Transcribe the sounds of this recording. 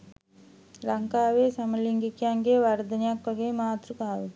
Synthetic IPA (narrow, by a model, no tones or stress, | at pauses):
lɐŋkaːʋeːsɐmɐliŋɡikːjaːŋɡeːʋɐɾd̪ɐnjakːɐɣeːmaːt̪ɾukaːʋɯ